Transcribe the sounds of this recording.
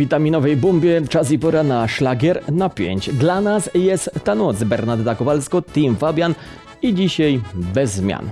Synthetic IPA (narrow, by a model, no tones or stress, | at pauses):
vʲit̪amʲinɔvɛjbumbʲjɛt͡ʂasipɔɾanaʂlaɡʲjɛɾnapʲjḛɲt͡ɕd̪lanasjɛst̪ːanɔt̪sbɛɾnad̪d̪akɔvalskɔt̪ʲimvabʲjan | id͡ʑiɕajbɛzːmʲja̰n